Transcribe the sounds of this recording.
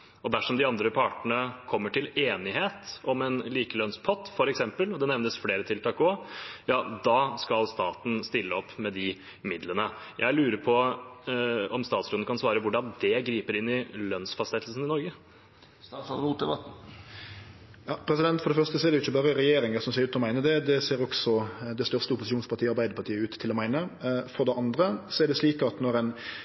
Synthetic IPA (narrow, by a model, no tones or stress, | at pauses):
ɔd̪æʂɔmd̪ɪɑnd̪ɾəpʰɑʈəɳəkʰɔmːəʈɪleːnɪɦeːt̪ɔmɛnliːkəlœnspʰɔt̪ːfɔɾɛksɛmpəlɔd̪ɛnɛʋnəsfleːɾət̪ʰɪlt̪ʰɑːkɔjɑːd̪ɑːskɑlst̪ɑːt̪n̩st̪ɪlːəɔpːmɛd̪ɪ | mɪd̪lənəjʔæ̰ɪlʉːɾəpʰɔ | ɔmst̪ɑːt̪sɾuːd̪nkʰɑnsʋɑːɾəʋʊɖɑnd̪ɛɡɾiːpəɾɪnːɪlœnsfɑst̪ɛt̪l̩sən̩ɪnɔɾɡə | suːd̪ɛbɑt̪̩ | jɑːpʰɾɛsɪd̪ɛnt̪fɔɾɖɛfœʁst̪əsɔɛɾd̪ɛjʊɪçːəbɑːʁəɾɛjeːɾɪŋəsɔmseːɾʉːt̪ɔmæɪnəd̪ɛd̪ɛseːɾɔksɔd̪ɛst̪œʁst̪əʊpʊsɪʃuːnspʰɑʁt̪ʰiːɑɾbæɪəpɑt̪iːəʉːt̪ʰːɪlɔmæɪnəfɔʁd̪ɛʔɑnd̪ɾəsɔɛɖ̪ɛsliːkəɑt̪nɔɾɛn